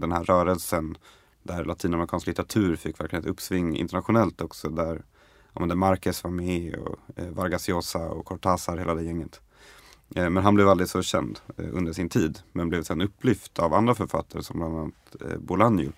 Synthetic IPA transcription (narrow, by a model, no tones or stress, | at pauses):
d̪ɛnhæɾːœːɾəlsən | d̪æɾlʔat̪ʰiːnamɛɾɪkʰɑːnsklɪt̪əɾat̪ʰʉ̟ːɾfɪkːvæɾklɪheɛt̪ɵpːsvɪŋːɪ̰nt̪əɳat̪ɧʊnɛlt̪ɔksɔd̪æɾ | ɔ̰mɛnd̪əmaɾkəsvaɾmɛɔ̰vaɾɡasɪoːsaɔ̰kʰɔʈʰɑːsaɾheːld̪æːjɛŋːət̪ | mɛnɦanblɛvald̪ɾɪɡ̪sɔɕɛ̰nd̪ɵ̰nd̪əʂɪnt̪ʰiːd̪mɛnblɛvsɛɛnɵpʰːlɪft̪ʰava̰nd̪ɾafœɾfa̰t̪ːaɾəsɔmbland̪anat̪bʊlanjʊ̰